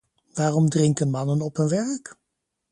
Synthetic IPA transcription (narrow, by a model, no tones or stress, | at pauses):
ʋaːrɔmdrɪŋkənmɑnənɔpɦɵnʋɛɹk